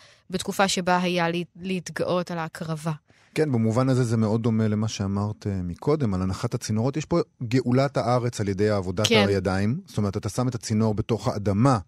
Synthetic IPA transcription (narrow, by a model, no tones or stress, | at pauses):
betkufaʃe̞baɦajalleitɡaʔo̞talaːkʁava | kenbemuvanazezemeo̞d̚ːo̞me̞le̞maʃe̞amaʁtmikʰo̞de̞malanaχathat͡sino̞ʁotjɛʃpo̞ɡe̞ʔulathaʔaʁe̞t͡salje̞de̞jaːvo̞dataajadaimst̪ome̞ʁtat̪asame̞tat͡sino̞ʁbe̞toχaːdama